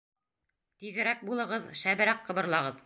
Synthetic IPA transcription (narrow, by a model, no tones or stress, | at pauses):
t̪iðɘ̆ɾæk̚bulˠɤ̆ʁɤðʃæβɘ̆ɾæqːɤ̆βɤ̆ɾlˠɑʁɤð